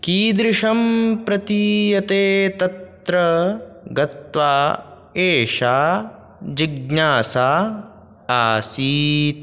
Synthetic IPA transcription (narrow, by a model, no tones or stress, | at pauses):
kiːd̪ɾɪʂɐmpɾɐt̪ijɐt̪eːt̪ɐt̪ɾɐ | ɡɐt̪ʋaː | eːʃaː | d͡ʒiɡ̚naːsaː | aːsiːt̪